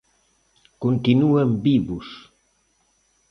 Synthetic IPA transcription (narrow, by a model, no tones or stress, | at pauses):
kunt̪inuembiβus